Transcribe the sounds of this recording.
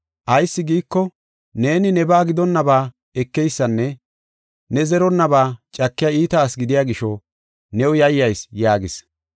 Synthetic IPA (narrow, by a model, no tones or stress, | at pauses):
ʔɐjsːɪɡiːkːɔ | ne̞ːnɪnɛbaːɡɪd̪ɔnːɐbaː | ɛkːɛjsːɐnːɛ | nɛzɛɾɔnːɐbaːt͡ʃʼɐkːɪjaiːt̪aːsɡɪd̪ɪjaːɡɪʃɔ | nɛwʊjɐjːɐjsjaːɡɪs